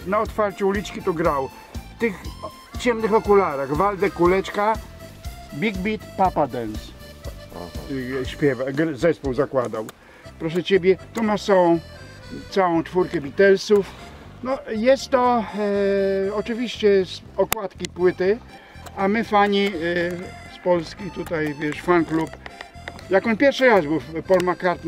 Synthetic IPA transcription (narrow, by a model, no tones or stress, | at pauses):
naɔt̪faɾt͡ɕuulʲit͡ʂkʲit̪uɡɾaw | ft̪ɘx | t͡ɕɛmnɘxɔkulaɾaɣvald̪ɛkulɛt͡ʂka | bʲiɡbʲit̪papad̪ɛns | ɕpʲjɛvaɡɾzɛspuwzakwad̪aw | pɾɔʂ̬ɛt͡ɕebʲjɛt̪umasɔɔ̃ | t̪sawɔ̃w̃t͡ʂfuɾkɛbʲit̪ɛlsufnɔjɛst̪ːɔ | ɔt͡ʂɨvʲiɕt͡ɕɛs | ɔkwat̪kʲipwɘt̪ɘ | amɘfaɲi | spɔlskʲit̪ut̪ajvʲjɛʂfanklup | jakɔnpʲjɛɾfʂɨɾasbɘwpɔlmakaɾt̪